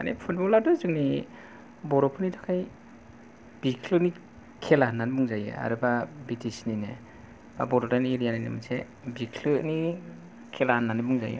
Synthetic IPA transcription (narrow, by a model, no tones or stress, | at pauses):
a̰nepʰut̚bɔladɔzɯŋni | bɔɾɔpʰɯnitʰakʰaj | b̥ikʰlɯni | kʰelaanːanibuŋzajɯ̰a̰ɾɯbabitisnine | ba̰bɔɾɔtanieɾijanajnɯ̰mɯnse | bikʰlɯni | kʰelaanːanɯbuŋzajɯ̰